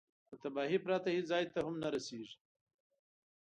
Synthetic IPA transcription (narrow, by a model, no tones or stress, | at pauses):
pət̪abɑːɦipɾɑt̪ahizɑjt̪ahʊmnaɾaseʒi̥